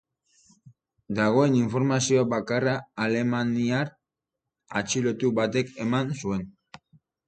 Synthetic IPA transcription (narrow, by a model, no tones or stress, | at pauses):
d̪aɣ̞o̞e̞niɱfo̞ɾmasio̞aβakaraːle̞maniaɾ | a̰t͡ʃilo̞t̪uβat̪e̞ke̞mansue̞n